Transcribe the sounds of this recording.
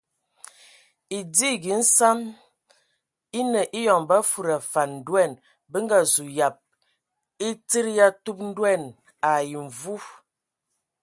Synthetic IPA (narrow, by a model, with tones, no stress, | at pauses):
i˨di˦ɡi˨˦n̩˦sa˦m | i˦nə˨ʔi˦jɔ˨ŋba˦fu˨ɾa˨fa˨nn̩˨dwɛ˦˨n | bə˦ŋ˦ɡa˦zu˨ja˨p̚ | i˦ti˦ɾja˦tu˦p̚n̩˦dwɛ˦˨n | a˨ji˨ɱ˨vu˦